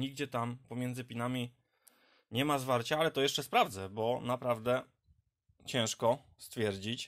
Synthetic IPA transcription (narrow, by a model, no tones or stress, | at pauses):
iɡ̚d͡ʑɛt̪ampɔmʲjɛnd̪zɘpʲinamʲi | ɲɛmazvaɾt͡ɕaalɛt̪ɔjɛʂt͡ʂɛspɾavd̪zɛbɔnapɾavd̪ɛ | t͡ɕɛ̃w̃ʂkɔ | st̪fʲjɛɾd͡ʑit͡ɕ